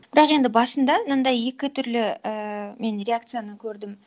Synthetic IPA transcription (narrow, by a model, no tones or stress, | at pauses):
b̥ɪɾɑqe̞nd̪ɪbɑsənd̪ɑnənd̪ɑje̞kʲɪt̪ʰʏɾlɪəme̞nɾʲeakt̪sɨjanəkʲʰɵɾd̪ɪm